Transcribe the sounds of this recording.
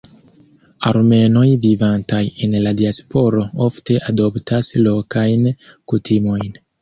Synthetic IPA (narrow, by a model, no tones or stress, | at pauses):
aɾme̞no̞jvivantaje̞nladiaspo̞ɾo̞ofte̞ʔado̞ptʰaslo̞kajn | kutʰimo̞jn